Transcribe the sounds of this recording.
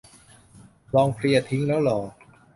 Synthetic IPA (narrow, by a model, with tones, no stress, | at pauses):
lɔː˧ŋfʰɾi˧ɐt̪ʰi˦˥ŋlɛː˦˥wlɔː˩˦